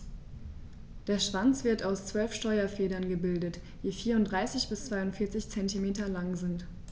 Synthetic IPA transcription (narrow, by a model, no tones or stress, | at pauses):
d̥eːɐʃv̥ant͡sv̥ɪɐtaʊst͡sv̥œlfʃtɔʏɐfɛːdɐnɡəbɪldət | jiːfiːɐʊntdʁaɪsɪçb̥ɪst͡sv̥aɪʊntfɪɐt͡sɪçt͡sɛntimeːtɐlaŋzɪnt